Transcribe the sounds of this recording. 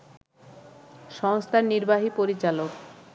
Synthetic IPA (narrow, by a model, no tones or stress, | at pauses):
ʃɔŋst̪ʰaɾniɾbaɦipoɾit͡ɕalok